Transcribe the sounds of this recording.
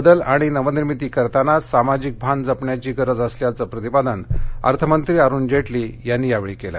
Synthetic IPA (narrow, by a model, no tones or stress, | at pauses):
d̪əlaɽ̃inəʋəniɾmit̪iːkəɾt̪anasamad͡ʑik̚bʱand͡zəpɳjat͡ɕiːɡəɾəd͡zəsljat͡səpɾət̪ipad̪anə̰ɾt̪ʰəmənt̪ɾiːaɾuːnd͡ʑeʈliːjanːiːjaʋɭiːkela̰